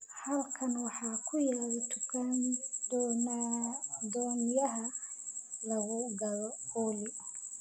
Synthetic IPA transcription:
hɐlkʰɐnwɑħɑːkʰʊjaːɾɪt̪ʰʊ̥kʰand̪ɔːnad̪ɔːnjɐɦɐ | lɐɣʊɡɐlɔɔːlɪ

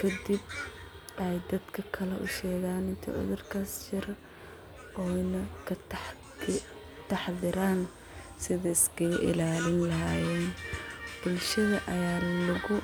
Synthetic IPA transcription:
kʰɐd̪ib | ʔɛjd̪ɐd̪kʰɐkʰɐlɛʔʊ̰ʃɛːɣaːnɪnt̪ʰɛ̰ʕʊ̰ðʊrkʰaːst͡ʃɪɾ | ʔɔːnɐkʰɐt̪ | t̪ʰɑħðɪɾaːn | sɪðɐɪskɐʔɪ̰laːlɪnlɐɦaːjɛːnb̥ʊlʃɐðɐʔɐjaːlɐɣʊ

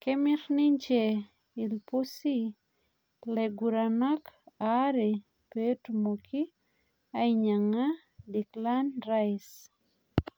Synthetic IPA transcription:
kemɪɾnɪɲt͡ʃe | ilposi | leɡuɾanakaɾi | petmokʰi | aɪɲaŋa | diklanraɪs

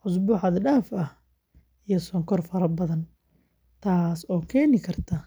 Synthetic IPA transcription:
ʕʊs̬bʊːħɑðɖaːfɐh | ijɐsɔːŋkʰɔrfɐɾɐbɐðɐn | t̪ʰaːsɔːkʰɛːnɪkʰɐrt̪ʰɐ

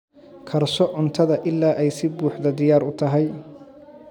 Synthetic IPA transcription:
kʰɐrsɔʕʊnt̪ʰɐðɐʔɪlːaːʔɛjsɪbuːħðɐd̪ɪjaːɾʊt̪ʰɐɦɛj

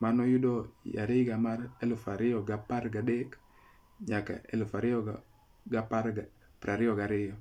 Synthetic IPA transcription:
manɔjudoja̰ɾɪɡamaɾelfaɾɪoɡapaɾɡadek | ɲaka̰ḛlfaɾɪɔ | ɡapaɾɡa | pɾaɾɪoɡaɾɪjɔ

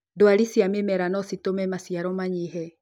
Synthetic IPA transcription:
doaɾisiamemɛɾanɔsitomɛmasiaɾɔmaɲiɦɛ

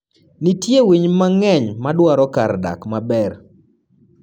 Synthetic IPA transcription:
nitjewiɲmaŋɛɲmadwaɾɔkarda̰kmabɛr

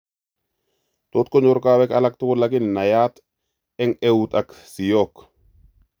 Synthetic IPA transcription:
t̪ot̪̚koɲoɾkaːwɛkalak̚t̪ukulːakinːajat̪ | ɛŋewut̪aksijok

